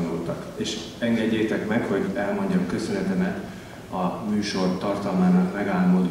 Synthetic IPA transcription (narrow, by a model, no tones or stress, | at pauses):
nult̪ɒkeːʃ | ɛŋɡɛɟːeːt̪ɛkmɛkho̞ɟɛlmo̞ɲɟɒmkø̞sø̞nɛt̪ɛmɛt̪ | ɒmyːʃo̞rt̪ɒrt̪ɒlmaːnɒkmɛɡaːlmo̞d̪